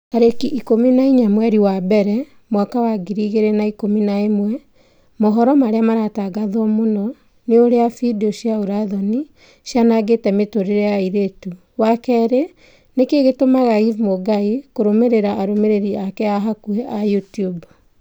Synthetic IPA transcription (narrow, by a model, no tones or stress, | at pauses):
aɾekiʔikominaiɲamwɛɾiwabɛɾɛ | mwakawaɡiɾiɣeɾenaikominaemwɛ | mɔɦɔɾɔmaɾeamaɾataɡaðɔmonɔ | neoɾeafidiɔʃiaoɾaðɔni | ʃjanaɡetɛmetoɾeɾeaiɾetu | wakɛɾe | nekeɣetomaɣaivmoɡaikoɾomeɾeɾaʔːɾomeɾeɾiakɛaɦakuɛʔajutiub